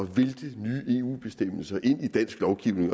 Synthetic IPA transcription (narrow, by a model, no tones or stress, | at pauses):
ɒ̽ʋeld̥ənyːe̝ːṵːb̥e̝sd̥em̰l̩sɐʔe̝n̰id̥æn̰sɡ̥lɒʊɡ̥iʊ̰ne̝ŋ